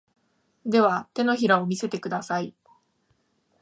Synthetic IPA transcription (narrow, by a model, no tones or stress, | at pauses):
d̪e̞β̞at̪e̞no̞çiɾaomʲise̞t̪e̞kɯ̟d̪asai